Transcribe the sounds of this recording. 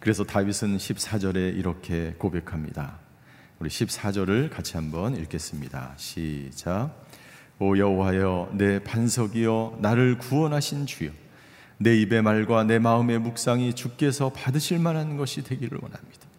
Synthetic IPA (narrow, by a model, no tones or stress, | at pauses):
kɯɾe̞sʰʌtaɥisʰɯnɕʰip̚s͈ad͡ʑʌɾe̞iɾʌkʰe̞kobe̞kʰamɲḭda̰ | uɾiɕʰip̚s͈ad͡ʑʌɾɯɭkat͡ɕʰiɦambʌniɭk͈ʰe̞s͈ɯmɲida̰ɕʰid͡ʑa | ʌjʌɦowajʌne̞pansʰʌɡijʌnaɾɯɭkuʌnɦaɕʰint͡ɕijʌ | ne̞ibe̞maɭɡwane̞maɯme̞muk̚s͈aŋit͡ɕuk̚k͈e̞sʰʌpadɯɕʰiɭmanɦanɯnɡʌɕʰidwe̞ɡiɾɯ̰ɭwʌ̰na̰mɲid̥ḁ